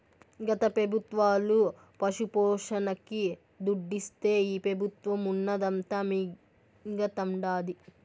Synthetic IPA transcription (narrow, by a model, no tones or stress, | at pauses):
ɡɐt̪ɐpɾɐbʱut̪ʋaːlu | pɐʂupɔːʂɐnɐki | d̪uɖːist̪e̞ːiːpɾɐbʱut̪ʋɐmunːɐd̪ɐnt̪amiː | ɡɐt̪ɐmɖaːd̪i